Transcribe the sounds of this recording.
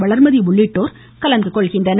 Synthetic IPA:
ʋɐɭɐɾmɐðiʋʊɭːɪʈːoːɾ | kɐlɐŋɡɯkːɔɭɣɪndrɐn

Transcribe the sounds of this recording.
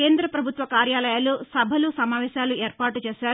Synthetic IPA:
keːnd̪ɾɐpɾɐbʱut̪ʋɐkaːɾjaːlɐjaːlusɐbʱɐlusɐmaːʋɛːʃaːlueːɾpaːʈut͡ʃeːʃaː

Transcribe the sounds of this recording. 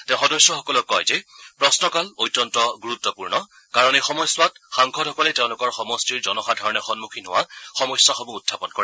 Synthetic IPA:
tɛ̃ʊ̃xɔdɔsːɔxɔkɔlɔkːɔjzɛpɹɔsnɔkalojtːɔntɔɡuɹut̪ːɔpuɹnɔ | kaɹɔnɛxɔmɔjswatxaŋkʰɔdʱɦɔkɔlɛteʊ̃lʊkɔɹxɔmɔstiɹzɔnɔxadʱaɹɔnɛxɔnmukʰinʊwaxɔmɔjswaxɔmuːdʱʰːapɔnkɔɹɛ

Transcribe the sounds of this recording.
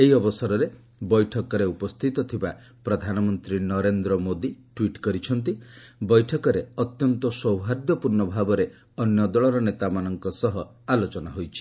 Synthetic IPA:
eɦiɔbɔsɔɾɔɾe | bɔjʈʰɔkɔɾeupɔst̪ʰit̪ɔt̪ʰiba | pɾɔd̪ʱanɔmɔnt̪ɾinɔɾend̪ɾɔmod̪iʈwiʈkɔɾit͡ʃʰɔnt̪ibɔjʈʰɔkɔɾeɔt̪jɔnt̪ɔsɔwɦaɾd̪jɔpuɾnɔbʱabɔɾe | ɔnjɔd̪ɔɭɔɾɔnet̪amanɔŋkɔsɔɦɔ | alot͡ʃɔnaɦojt͡ʃʰi̥

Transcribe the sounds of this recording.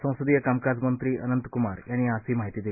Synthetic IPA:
sə̃w̃səd̪ijəkamkad͡zmənt̪ɾiːə̰nənt̪kumaɾjanːiasiːmaɦit̪iːd̪e

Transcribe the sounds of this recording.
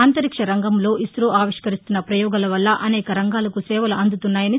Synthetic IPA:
aːnt̪ɐɾikʂɐɾɐŋɡɐmlo̞ːʔisɾoːaːʋiʂkɐɾist̪unːɐpɾɐjɔːɡɐlɐʋɐlːɐʔɐnɛːkɐɾɐŋɡaːlɐkusɛːʋɐlɐɐnd̪ut̪unːaːjɐni

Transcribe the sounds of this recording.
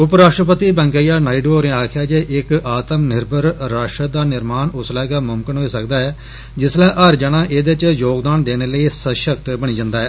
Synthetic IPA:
ʊpɾaːʃʈɾəpət̪iːbɛ̃ːŋkaːjaːnaːiɖoːɾẽːaːkʰjaːd͡ʒeːʔɪkaːt̪əmnɪɾbʱəɾɾaːʃʈəd̪aːnɪɾmaːnʊslɛːɡaːmʊmkənɦoiːsəkd̪aːɛː | d͡ʒɪslɛːʔəɾd͡ʒənãːʔeːd̪et͡ʃjoːɡd̪aːnd̪eːneːləiːsəʃəkt̪bəɽ̃iːd͡ʒãːnd̪aːɦɛː

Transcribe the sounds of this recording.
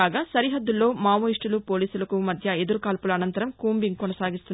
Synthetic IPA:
aːɡaːsɐɾiɦɐd̪ːulːo̞ːmaːmoːiʂʈulupo̞ːliːsulɐkumɐd̪ʱjɐe̞d̪uɾukaːlpulɐɐnɐnt̪ɐɾɐmkuːmbiŋɡkɔnɐsaːɡist̪un

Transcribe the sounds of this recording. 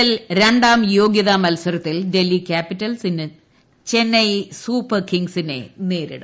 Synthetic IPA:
ɐlɾe̞ɳɖaːmjo̞ːɡjɐðɐmɐlsɐɾɐt̪ːilde̞lːikʲaːpitːɐlsinɨ | t͡ɕe̞nːɐjsuːpːɐrkiŋɡsine̞̰neːɾḭɽɨ̰

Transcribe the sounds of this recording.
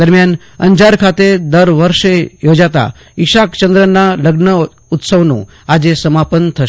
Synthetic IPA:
d̪əɾmjan | ə̰ɲd͡ʑaɾkʰat̪ed̪əɾʋəɾʂejod͡ʒat̪a̰ | iʃakt͡ʃənd̪ɾənːaləɡnə | ut̪səʋnṵ̃ | ad͡ʑesəmapənt̪ʰəʃ

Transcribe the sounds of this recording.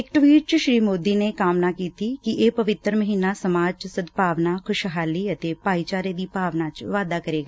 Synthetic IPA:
ɪkʈʋiːʈ̚t͡ʃʃɾiːmoːd̪iːneːkaːmnaːkiːt̪iːkɪʔeːpəʋɪt̪ːɾməɦiːnaːsəmaːd͡ʒt͡ʃsəd̪paːʋnaːkʰʊʃɦaːliːət̪eːpaːiːt͡ʃaːɾeːd̪iːpaːʋnaːt͡ʃʋaːd̪aːkəɾeːɡaː

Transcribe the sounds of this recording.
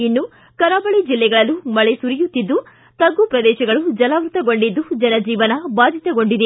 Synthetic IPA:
inːu | kɐɾaːbɐɭid͡ʒilːɛɡɐɭɐlumɐɭesuɾijut̪ːid̪ːu | t̪ɐɡːupɾɐd̪ɛːʃɐɡɐɭud͡ʒɐlaʋɾut̪ɐɡo̞ɳɖid̪ːud͡ʒɐnɐd͡ʒiːʋɐnɐbaːd̪ʱit̪ɐɡoɳɖid̪e

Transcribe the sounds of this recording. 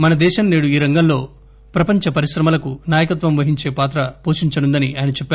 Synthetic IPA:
mɐnɐd̪ɛːʃɐnːeːɽuiːɾɐŋɡɐmlo̞ː | pɾɐpɐɲt͡ʃɐpɐɾiʃɾɐmɐlɐkunaːjɐkɐt̪ʋɐmʋɐɦiɲt͡ʃe̞ːpaːt̪ɾɐpoːʃiɲt͡ʃɐnund̪ɐniɐːjɐnɐt͡ʃɛpː

